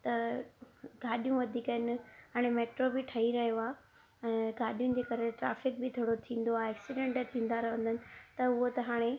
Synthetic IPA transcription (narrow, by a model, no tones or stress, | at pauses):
t̪ɐ | ɡ̥aːɗijũʋɐd̪ʱiːkəɪnɪ̆ɦaːɽ̃emeːʈɾobɪʈʰɐɦiɾɐɦijoaː | ɛ̃ːɡaːɗijũd͡ʑeːkɐɾeʈɾa̰ːfɪk̚bɪt̪ʰoːɽot̪ʰĩːn̆d̪oaeɛːksɪɖẽɳʈt̪ʰĩːn̆d̪aɾɐɦʋə̃nd̪ʱənɪ̆t̪ɐʊɦot̪ɐɦaːɽ̃e